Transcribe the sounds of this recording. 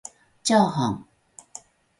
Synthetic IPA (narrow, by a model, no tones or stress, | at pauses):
t͡ɕjɑʊhɑŋ